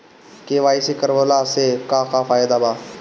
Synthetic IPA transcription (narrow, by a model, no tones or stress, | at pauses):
keːʋaːiseːkəɾʋolaːseːkaːkaːfaːɪd̪aːbaː